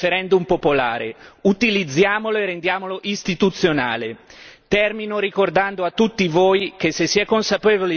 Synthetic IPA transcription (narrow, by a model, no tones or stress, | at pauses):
feɾɛnd̪umpopola̰ːɾḛut̪ilid̪zːjaːmoloerːend̪jaːmoloʔist̪it̪ut̪sːjona̰ːlet̪ɛrminoɾikord̪and̪oat̪ːut̪ːivoːjk̟esːesːiɛkonsapeːvoli